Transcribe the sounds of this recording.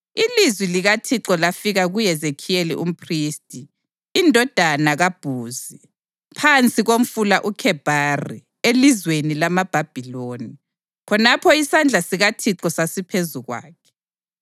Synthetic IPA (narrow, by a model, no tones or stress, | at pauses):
ilizwiliɣatʰiǁɔlafiɣaɣujɛzekʰijelḭʔṵm̩pʰriːstʼiː | ndʱɔd̥ʱanaɣab̥ʱuːzi | pʰant͡sʼiɣom̩fulaʔukʰɛb̥ʱaːrḭ | elizwenilamab̥ʱab̥ʱiloːni | kʰɔnapʰɔisand͡ɮʱasiɣatʰiǁɔsasipʰezuɣwa̰ːkʰɛ̥